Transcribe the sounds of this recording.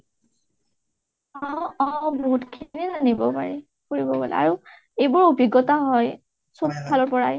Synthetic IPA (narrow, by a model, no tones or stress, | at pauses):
aɔ̃boɦutkʰinizanibɔpa̰ɹɛ | koɹibɔbɔ̰lɛ̰a̰ɹu | ejbʊɹubʱiɡɔtaɦɔj | sub̚kʰalɔɹpɔɹaj